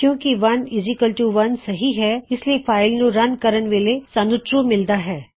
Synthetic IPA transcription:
kjõːkiʋɐnɪzikəlʈuːʋɐnsɐɦiɦɛɪsliefʰaːɪlnũɾɐnkɐɾənʋeːlesɐnʊt̪ɾumɪld̪aɦɛː

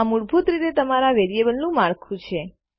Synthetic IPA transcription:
amuɽbʱut̪ɾit̪et̪əmaɾaʋeɾijebəlnũmaɭkʰũt͡ʃʰe

